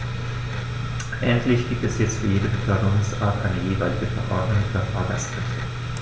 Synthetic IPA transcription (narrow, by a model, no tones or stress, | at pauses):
ʔɛntʰlɪçɡ̥iːp̚tɛsjɛt͡stfyːɐjeːdəbətʰœɐdəʁʊŋsʔa̰ːɐtʔaɪnəjeːvaɪlɪɡəfɛɐʔɔɐdnʊŋfyːɐfaɐɡaskʁ̥ɛftə